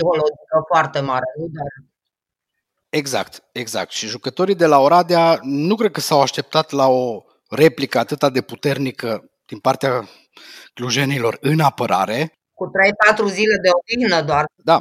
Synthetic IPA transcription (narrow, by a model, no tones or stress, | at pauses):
iho̞lod͡ʒikəfoart̪e̞maɾeud̪eɾ | e̞ɡza̰kt̪e̞ɡza̰k̚t̪ʃiʒukət̪o̞ɾid̪e̞laoɾad̪eanukɾed̪̚kəsawaʃt̪e̞p̚t̪at̪lao̞ | re̞plikəat̪ɨt̪ad̪e̞put̪e̞rnikə | d̪̥inpart̪ea | kluʒe̞nilo̞rɨnapəɾʔa̰ɾe̞ | kut̪ɾe̞jpat̪ɾuzile̞d̪eovixnəd̪oard̪a